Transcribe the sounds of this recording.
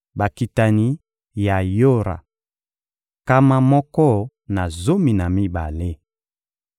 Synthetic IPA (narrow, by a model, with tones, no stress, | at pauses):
ba˨ki˨ta˨ni˨˦ | ja˨jo˦ɾa̰˨ | ka˦ma˨mɔ˦kɔ˦ | na˨zo˦mi˨na˨mi˦ba̰˨le˦